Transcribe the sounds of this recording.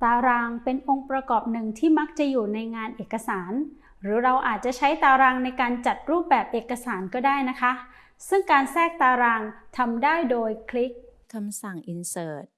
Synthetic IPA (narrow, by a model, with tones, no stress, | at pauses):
t̪aː˧ɾaː˧ŋpe˧nʔo˧ŋpɾa˧kɔː˨˩p̚nɯ˨˩ŋt̪ʰiː˥˩ma˦˥k̚t͡ɕa˨˩juː˨˩na˧jŋaː˧nʔeː˨˩kːa˧saː˩˦n | ɾɯː˩˦ɾa˧wʔaː˨˩t̪̚t͡ɕa˨˩t͡ɕʰa˦˥jt̪aː˧ɾaː˧ŋna˧jkaː˧nt͡ɕa˨˩t̪̚ɾuː˥˩p̚bɛː˨˩p̚ʔeː˨˩kːa˧saː˩˦nkɔː˥˩daː˥˩jna˦˥kʰa˦˥ | sɯ˥˩ŋkaː˧nsɛː˥˩k̚t̪aː˧ɾaː˧ŋt̪ʰa˧mdaː˥˩jdoː˧jkʰli˦˥k̚kʰa˧msa˨˩ŋʔi˧nsɤː˨˩t̪̚